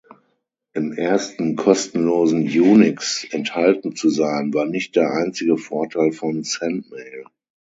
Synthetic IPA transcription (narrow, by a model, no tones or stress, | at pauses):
ʔɪmʔeːɐstn̩kʰɔstn̩loːzn̩juːnɪksʔɛnthaltn̩t͡suzaɪnvaːɐnɪçt̚d̥eːɐʔaɪnt͡sɪɡəfɔɐtʰaɪlfɔnsɛntmeɪl